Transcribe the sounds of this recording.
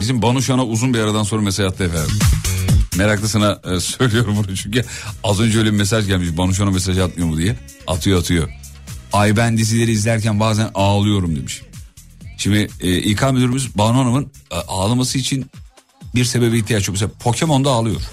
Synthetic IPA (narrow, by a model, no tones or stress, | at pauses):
bizimbanuʃanauzunbiaɾad̪anso̞nɾamesaʒat̪ʰːˠajefæ | meɾaklˠɯsɯnasøjlʲijo̞ɾumbunut͡ʃʰyɲcyazø̞nd͡ʒɛøjlʲebime̞s̬aʒɟælʲmiʃbanuʃ̬aname̞s̬aʒɯat̪̚mɯjo̞mud̪ijɛ | a̰t̪ʰɯjoat̪ʰɯjo̞ | ajbænd̪is̬ilʲe̞ɾiːzlʲæɾcʰænbaːzænaːlˠɯjo̞ɾumd̪e̞miʃ | ʃimd̪iʔikʰaːmed̪eɾmyzbanuanamɯnaːlˠamasɯit͡ʃʰin | biɾse̞be̞biiçt̪ʰijat͡ʃyjomes̬eapʰo̞cʰe̞mo̞nd̪aːlˠɯjo̞̰ɾ̥